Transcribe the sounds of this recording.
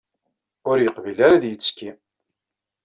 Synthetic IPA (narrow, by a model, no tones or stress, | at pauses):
ʊɾjəqvilaɾaðjət͡sːkːi